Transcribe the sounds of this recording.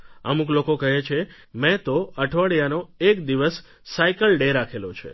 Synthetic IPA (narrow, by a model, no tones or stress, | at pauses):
ə̰mũklokokəɦet͡ʃʰe | mɛ̃t̪oəʈʰʋəɽjanoekd̪iʋəsː | aikəlɖeɾakʰelot͡ʃʰḛ